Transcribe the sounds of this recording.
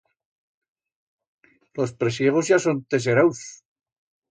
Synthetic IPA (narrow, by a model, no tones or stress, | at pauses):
lospɾesjeɣ̞ozʝasont̪es̬eɾaws